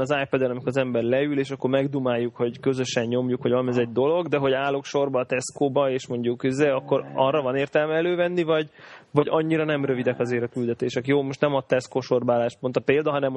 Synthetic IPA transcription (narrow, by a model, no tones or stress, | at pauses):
nɒzaːjpɛd̪ɛnɒmikoɾzɛmbɛrlɛyleːʃɒkːo̞rmɛɡd̪umaːjːukho̞ɟkø̞zø̞ʃɛɲɲo̞mjukhoɟvɒmɛzɛɟd̪o̞lo̞ɡd̪ɛɦo̞ɟaːlokʃo̞rbɒːt̪ɛskoːbɒeːʃmo̞ɲɟukyzːeːɒkːo̞ɾɒrːɒvɒneːrt̪ɛlmɛːløːvɛnːivɒɟvɒɟɒɲːiɾɒnɛmrø̞vid̪ɛkɒzeːɾɒkyld̪ɛt̪eːʃɛkjoːmo̞ʃt̪nɛmɒt̪ɛskoʃo̞rbaːlaːʃpo̞nt̪ɒpeːld̪ɒɦɒnɛm